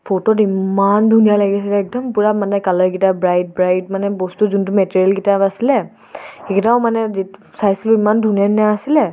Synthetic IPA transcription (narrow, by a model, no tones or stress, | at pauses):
pʰototimandʱunijalaɡiasilɛːk̚dɔmpuɹamanɛkalɔɹkitabɹajt̚bɹajt̚manɛbɔstuzuntʊmɛteɹiɛlkitabasilɛ | xekʰitaʊmanɛzi | sajsluimandʱunijanaasilɛ